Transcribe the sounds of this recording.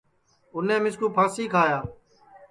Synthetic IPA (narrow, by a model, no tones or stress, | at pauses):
ʊnẽːmɪskũːpʰaːsiːkʰaːjaː